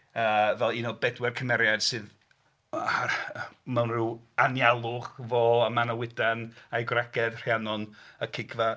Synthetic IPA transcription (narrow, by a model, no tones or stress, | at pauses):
əːvɛlˠinɔbɛdwɛrkʰəmɛɾjad̥sɨːð | mawnrɪwanjalˠʊχvɔəmanawɪdanajɡwraɡ̥ɛd̥r̥janɔnəkʰɪɡva